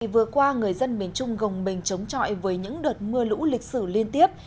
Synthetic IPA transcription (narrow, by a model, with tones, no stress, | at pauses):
vɨ˨˩əkwaː˧ŋɨ˨˩əjzə˧nmi˨˩ənt͡ɕʊ˧ŋ͡mɣə˨˩wŋ͡mɓï˨˩ŋ̟t͡ɕə˨˦wŋ͡mt͡ɕɔ̰˧˨jvəː˨˦jɲɨ̰˧˥ŋɗəː˨˩t̚mɨ˧əlṵ˧˥lï˨˩k̟̚sɨ˧˩li˧ənt̪i˦˥əp̚